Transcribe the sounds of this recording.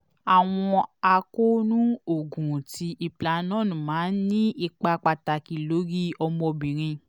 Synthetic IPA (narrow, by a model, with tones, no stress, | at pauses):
a˨w̃ɔ̃˧a˧ko˦nũ˦o˨ɡũ˨ti˧ʔi˨˧pla˨˦nɔ̃ː˦˨nũ˨mãː˨˦nĩ˦i˧k͡pa˧k͡pa˧ta˨ki˨lo˨˦ɡi˦ɔ˧mɔ˧bĩ˨ɾ̃ĩ˧